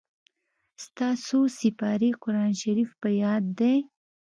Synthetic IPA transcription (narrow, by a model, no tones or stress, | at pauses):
st̪ɑsosɪpɑɾiqʊɾɑnʃaɾifpəjɑd̪ːe